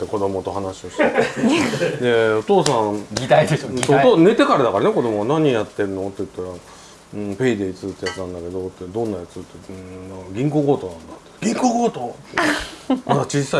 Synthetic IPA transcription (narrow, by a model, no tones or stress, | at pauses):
t̪ːeko̞d̪o̞mo̞t̪o̞ɦanaɕioɕt | d̪e̞o̞t̪o̞ːsãɡʲit̪aid̪eosot̪oːne̞t̪e̞kaɾad̪akaɾaneko̞d̪o̞moɡanaɲ̟ijat̪ːe̞ɾɯ̟not̪ːejɯ̟t̪ːaɾa | ɯ̃pe̞id̪e̞it͡sɨt̪ːejat͡sɨnãnd̪ake̞d̪o̞t̪ːed̪õ̞nːajat͡sɨt̪ːenãkɡʲĩŋko̞ɡoːt̪o̞ːnãnd̪at̪ːe̥ɡ̥ʲĩŋkoːɡoːt̪o | at͡ɕisːa